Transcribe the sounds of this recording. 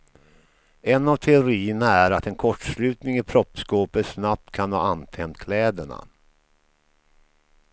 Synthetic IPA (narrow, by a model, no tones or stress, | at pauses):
ɛnavt̪ʰɛʊɾiːənaæɾat̪ɛnkʰɔʈʂlʉ̟ːt̪nɪŋɪpʰɾɔpskoːpəsnap̚t̪kʰanvɑ̰ːanːt̪ʰɛnt̪kʰlɛːd̪əɳa̰